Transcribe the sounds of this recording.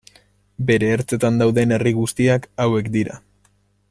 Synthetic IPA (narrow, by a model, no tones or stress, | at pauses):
be̞ɾe̞ːɾt͡se̞t̪and̪awðe̞ne̞riɣust̪iakawe̞kd̪iɾa̰